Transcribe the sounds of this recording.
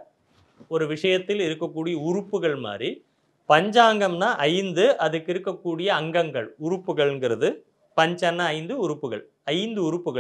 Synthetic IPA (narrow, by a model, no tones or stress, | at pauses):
ɔɾɯʋɪʂɐjɐt̪ːɪlɪɾɯkːɐkːuːɽɪjɐʊrʊpːɯɣɐɭma̰ːri | pɐɲd͡ʒaːŋɡɐmnaːʔɐjnd̪ɯʔɐðɐkːɪɾɯkːɐkːuːɽɪjɐːŋɡɐŋɡɐɭʊɾʊpːɯɣɐɭɛŋɡɪɾɐðɯ | pɐɲd͡ʒɐnːɐɐɪnd̪ɯʊɾʊpːɯɣɐ̰ɭ | ɐɪnd̪ɯʊɾɯpːɯɣɐ